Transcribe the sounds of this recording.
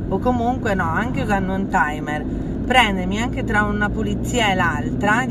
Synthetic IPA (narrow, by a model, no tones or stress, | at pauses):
okːomuŋkwenɔaŋk̟ekanːunt̪ajmer | pɾɛnd̪emiaŋk̟et̪ɾaunapolit̪sːiːaelalt̪ɾa